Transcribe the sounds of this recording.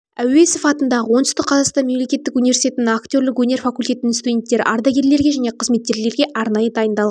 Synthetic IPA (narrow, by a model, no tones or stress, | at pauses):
æwe̞sɪfɑt̪ənd̪ɑʁəwo̞nt̪ʏst̪ɪqʰːɑzɑst̪ɑnme̞mle̞kʲe̞t̪ːɪkunivesi̥t̪ʲe̞t̪ɪnɪŋakt̪ʲo̞ɾlɪkwɵne̞ɾfakulʲt̪ʲe̞t̪ɪnɪnst̪ud̪ʲe̞nt̪ːe̞ɾɪ̰ʔɑɾd̪ɑɡʲe̞ɾle̞ɾɡʲe̞ʒæne̞qʰəzme̞t̪ːe̞ɾle̞ɾɡʲe̞ʔɑɾnɑjəd̪ɑjənd̪ɑlˠʁɑ